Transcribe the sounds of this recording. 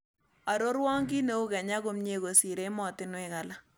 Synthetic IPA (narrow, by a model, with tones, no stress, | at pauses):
a˨ɾo˦ɾwa˦ŋɡi˦ne˦u˦kɛ˨ɲa˦ko˦mɲe˦ɣo˨si˨ɾe˦mɔ˨tɪ˦nwɪka˨la˦